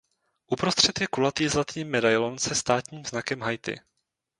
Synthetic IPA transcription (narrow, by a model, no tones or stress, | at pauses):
ʔupɾost̪r̝̥ɛt̪jɛkulat̪iːzlat̪ɲiːmːɛdajlonsɛst̪aːt̪ɲiːmznakɛmɦajt̪ɪ̰